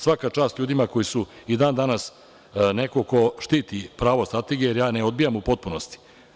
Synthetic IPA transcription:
sʋakat͡ʂaːst̪ʎʲuːd̪imako̞jisuid̪aːnd̪anas | ne̞koko̞ʃt̪iːt̪ipɾaːʋost̪ɾat̪e̞ɡiejeɾjaːneo̞d̪̚bijamupo̞t̪̚punost̪i̥

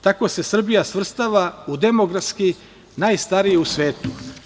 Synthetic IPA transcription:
t̪ako̞se̞sr̩bijasʋr̩st̪aʋaud̪e̞mo̞ɡɾaski | naːjst̪aɾijeusʋeːt̪u̥

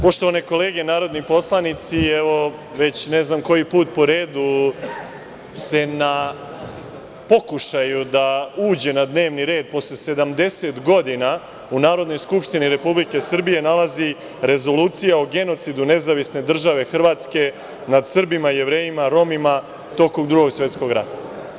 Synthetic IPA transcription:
po̞ʃt̪o̞ʋaneko̞le̞ːɡe̞naːɾo̞d̪nipo̞slˠanit̪siɛʋo̞ | ʋe̞t͡ɕne̞znamko̞jipuːt̪̚po̞ɾeːd̪u | se̞na | po̞kuʃajud̪auːd͡ʑe̞nad̪ne̞ːʋniɾe̞ːd̪̚po̞slese̞d̪amd̪e̞se̞t̪ɡo̞d̪ina | unaːɾo̞d̪no̞jskupʂt̪iniɾe̞publike̞sr̩bije̞nalazi | ɾe̞zo̞luːt̪sijaoɡe̞no̞t̪sid̪une̞zaʋisne̞d̪r̩ʒaʋe̞xr̩ʋaːt̪ske̞ | nad̪sr̩bimaije̞ʋɾe̞ːjimaɾo̞mima | t̪o̞komd̪ɾuɡo̞ɡsʋe̞t̪sko̞ɡɾa̰t̪ḁ

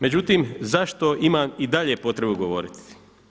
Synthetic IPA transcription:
me̞d͡ʑut̪iːmzaʃt̪o̞imamid̪aʎe̞po̞t̪ɾe̞buɡo̞ʋo̞̰ɾit̪i̥

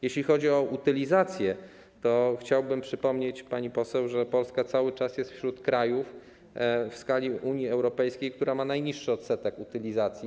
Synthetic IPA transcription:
jeɕlʲixɔd͡ʑiɔʔut̪ɘlʲizat̪sʲjɛ | t̪ɔxt͡ɕawbɘmpʂɘpɔmɲet͡ɕpaɲipɔsɛwʐɛpɔlskat̪sawɘt͡ʂasjɛst̪fɕɾut̪kɾajuf | fskalʲiʔuɲjiɛwɾɔpɛjskʲejkt̪uɾamanajɲiʂːɘɔt̪sɛt̪ɛkut̪ɘlʲizat̪sʲji

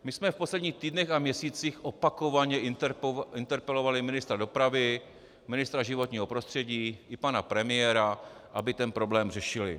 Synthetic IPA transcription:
mɪsmɛfpo̞slɛdɲiːxt̪iːdnɛxamɲɛsiːt͡sixʔopako̞vaɲɛ | ʔɪnt̪ɛɾpɛlo̞valɪmɪnɪst̪ɾado̞pɾavɪ | mɪnɪst̪ɾaʒɪvo̞t̪ɲiːɦo̞pɾost̪r̝̥ɛɟiːʔɪpanapɾɛmɪjɛɾaʔabɪt̪ɛnpɾo̞blɛːmrɛʃɪlɪ̰

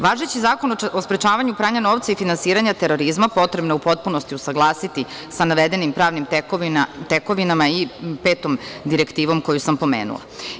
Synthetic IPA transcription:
ʋaːʒet͡ɕizaːko̞nospɾet͡ʃaːʋaɲupɾaːɲano̞ːʋt̪saifinansiːɾaɲat̪eɾo̞ɾizmapo̞t̪ɾebnoupo̞t̪̚punost̪iusaɡlˠaːsit̪i | sanaʋed̪e̞nimpɾaːʋnim | t̪eko̞ʋinamaipe̞ːt̪o̞md̪iɾekt̪iːʋo̞mko̞jusampo̞mḛːnṵlˠa̰

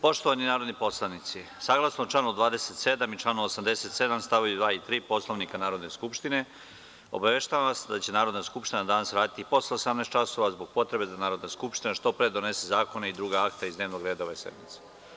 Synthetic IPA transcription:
po̞ʃt̪oʋaninaːɾo̞d̪nipo̞slˠanit̪si | saːɡlˠasnot͡ʃlˠaːnod̪ʋaːd̪eset̪se̞d̪amit͡ʃlˠanoosamd̪e̞se̞t̪se̞d̪amst̪aʋajud̪ʋaːit̪ɾiːpo̞slˠo̞ʋnikanaːɾo̞d̪ne̞skupʃt̪ine̞ | o̞̰baʋeʃt̪aʋaʋasd̪at͡ɕenaːɾo̞d̪naskupʃt̪inad̪anasɾaːd̪it̪ipo̞sleosamnest̪t͡ʃaso̞ʋazboɡ̥̚po̞t̪ɾe̞be̞d̪anaːɾod̪naskupʃt̪inaʃt̪o̞pɾed̪one̞sezaːko̞neid̪ɾuːɡaakt̪aizd̪neːʋnoɡɾe̞ːd̪aoʋesḛd̪mit̪se̥

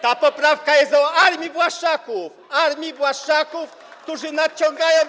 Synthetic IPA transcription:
t̪apɔpɾafkajɛst̪ɔaɾmʲivwaʂakuf | aɾmʲivwaʂt͡ʂakuf | kt̪uʐɘnat̪̚t͡ɕɔŋɡajɔ̃w̃

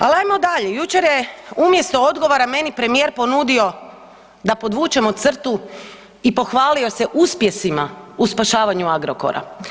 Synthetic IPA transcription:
alajmod̪aʎejut͡ʃe̞ɾjeumje̞st̪o̞o̞d̪ɡo̞ʋoɾame̞nipɾe̞mijeːɾpo̞nud̪io̞ | d̪apo̞d̪ʋuːt͡ʃe̞mot̪sr̩t̪u | ipo̞xʋaːlio̞se̞ʔuspje̞simauspaʃaːʋaɲuaɡɾoko̰ɾa̰

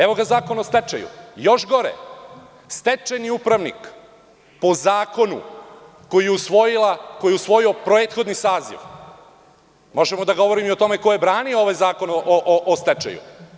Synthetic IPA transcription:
eʋo̞ɡazaːko̞nost̪et͡ʃḛjṵjo̞ʃɡo̞ɾḛ | st̪et͡ʃeniupɾaʋnḭk | po̞zaːko̞nṵ | ko̞jijeusʋojilako̞jiusʋo̞jio̞pɾeːt̪xo̞d̪nisaːzḭʋ | mo̞ʒemo̞d̪aɡo̞ʋo̞ɾimiot̪o̞meko̞je̞bɾaːniooʋajzaːko̞noʔoʔʔost̪et͡ʃḛjṵ

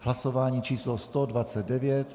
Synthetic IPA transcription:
hlasovaːɲiːt͡ʃiːslɔst̪odvat͡sɛd̪dɛvɪɛt̪

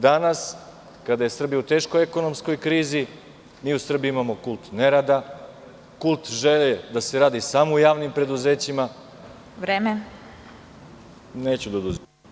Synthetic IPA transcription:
d̪anas | kad̪aje̞sr̩bijut̪e̞ːʃkojeko̞no̞msko̞jkɾiːzi | miːusr̩biimamo̞kulˠt̪ne̞ɾad̪a | kulˠt̪ʒeled̪ase̞ɾaːd̪isaːmoujaːʋnimpɾe̞d̪uze̞ːt͡ɕima | ʋɾeːme | ne̞ːt͡ɕud̪ad̪uz

